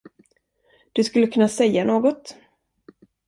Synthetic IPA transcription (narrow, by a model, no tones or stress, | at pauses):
d̪̥ɵskɵlːəkʰɵnːasɛjːanoːɡɔt̪